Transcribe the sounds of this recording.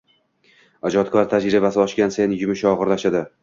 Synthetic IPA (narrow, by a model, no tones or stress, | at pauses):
ad͡ʒɒt̪kʰɒɾt̪ʰad͡ʒɾibasɪɒʃkʲanse̞njʊmɪʃɒʁɨɾlaʃad̪ɪ